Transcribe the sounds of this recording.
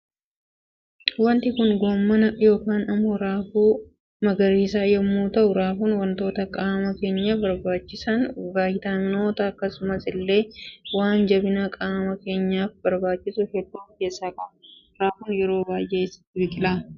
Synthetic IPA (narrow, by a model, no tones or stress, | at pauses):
wɐnt̪ɪkʊnɡoːmːɐnɐjo̞ːkaːnɐmːoɾaːfuː | mɐɡɐɾiːsaːjɛmːuːt̪ɐʔʊɾaːfuːnwɐnt̪o̞ːt̪ɐkʼaːmɐke̞ːɲːɐbɐɾbaːt͡ʃːɪsɐnbaːjɪt̪aːnːoːt̪ɐːkːɐsʊmɐsɪlːe̞ːwaːnd͡ʒɐbɪnakʼaːmɐke̞ːɲːaːfbɐɾbaːt͡ʃːɪsʊhɛd̪ːuːmkeːsːaːkʼɐbʊ | ɾaːfuːnjɛɾo̞ːbaːjʔeɪsɐ̥t̪ːɪbɪkʼɪlaː